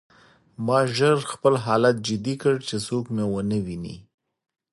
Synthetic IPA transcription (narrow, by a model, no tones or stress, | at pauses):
mɑʒəɾxpəlɦɑlat̪̚d͡ʒɪd̪ikəɽt͡ʃesokmewənəwinḭ